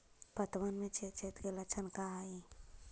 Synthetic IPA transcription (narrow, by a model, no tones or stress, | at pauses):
pət̪wənmẽt͡ʃʰet̪̚t͡ʃʰet̪ɡelɐt͡ʃʰənkaɦai